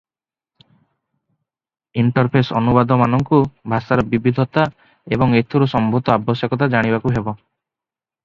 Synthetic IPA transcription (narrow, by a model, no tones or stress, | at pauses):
iɳʈɔɾpʰesɔ̰nubad̪ɔmanɔŋkubʱasaɾɔbibid̪ʱɔt̪a | ebɔŋet̪ʰuɾusɔmbʱut̪ɔabɔsjɔkɔt̪̬ad͡ʒaɽ̃ibakuɦebɔ